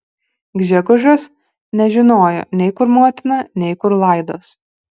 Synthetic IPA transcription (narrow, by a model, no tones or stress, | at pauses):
ɡʲʒʲɛɡʊʒʲos | nʲɛʒʲɪnoːjo̰ːnʲɛɪkʊɾmoːt̪ʲɪnɑːnʲɛɪkʊɾlˠɐˑɪd̪oːs